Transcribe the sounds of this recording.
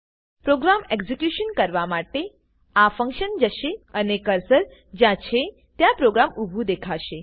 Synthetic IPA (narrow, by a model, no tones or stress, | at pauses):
pɾoɡɾameɡzekjuʃənkəɾʋamaʈe | afə̃ŋkʃənd͡ʒəʃeənekəɾsəɾ | d͡ʒãt͡ʃʰe | t̪jãpɾoɡɾamubʱũd̪ekʰaʃe